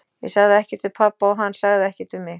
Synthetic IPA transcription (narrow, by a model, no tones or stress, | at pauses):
jɛ̰saɣðɪɛhcɪɾ̥t̪ʰɪlpʰapːaɔɦanːsaɣðɪɛhcɪɾt̪ɪmɪx